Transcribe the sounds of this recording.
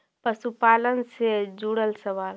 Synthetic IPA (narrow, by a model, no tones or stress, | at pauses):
pəsupaːlənsed͡ʒuɽəlsəʋaːl